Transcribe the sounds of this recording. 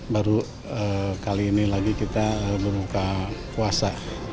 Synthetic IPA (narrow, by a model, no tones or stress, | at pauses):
baɾu | əkaliːnilaɡikit̪aəbəɾukakuasa